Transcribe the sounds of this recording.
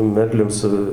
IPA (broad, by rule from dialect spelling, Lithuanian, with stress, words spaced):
ˈmʲɛrʲlʲʊm ˈsʊ